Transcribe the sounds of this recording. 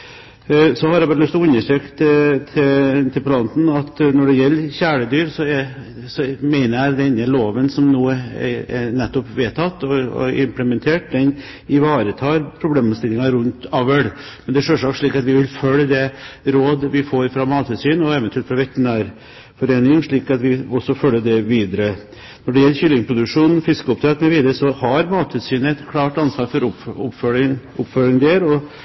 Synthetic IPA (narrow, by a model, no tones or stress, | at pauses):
sɔhɑɾɑbɑɾlʉst̪ɔʊnːəʂøːkt̪t̪ʰt̪ʰɪlpʰlɑnt̪n̩ɑt̪nɔɖɛjɛlːəçæːɭəd̪yːɾsɔɛ | sɔmæɪnəjæd̪ɛnəloːʋənsɔmnuːəɛ̰ɛ̰nɛt̪ːɔpʋeːt̪ʰɑt̪ːɔ̰ɪmpləmɛnt̪ʰeːʈd̪ɛn | ɪʋɑːɾət̪ʰɑːɾpʰɾʊbleːmst̪ɪlːɪŋɑɾʉnt̪ɑʋəɽ | mɛnd̪ɛʂøːʂɑːkʂɭiːkɑt̪ʋɪʋɪlfœlːəd̪ɛɾoːd̪ʋɪfoːɾfɾɑmɑːt̪ʰʉsyːnɔɛːʋɛnt̪ʰʉɛlfɾɑʋɛt̪ːənæːɾ | fɔɾeːnɪŋʂɭiːkɑt̪ʋɪɔsːɔfœlːəɖ̪ɛʋiːd̪əɾə | nnɔɖɛjɛlːçʏlːɪŋpʰɾʊd̪ʉkʂuːnfɪskəɔp̚t̪ʰɾɛːt̪mɛʋiːd̪əɾəsɔhɑɾmɑːt̪ʰʉsyːnəɛt̪kʰlɑːʈɑnsʋɑːɾfɔɾʊʊpfølɪʊpfœlɪŋd̪eɾɔ